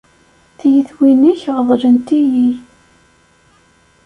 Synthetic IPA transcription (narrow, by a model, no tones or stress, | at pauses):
θjəθwiniçʁðˤʒənt̪iji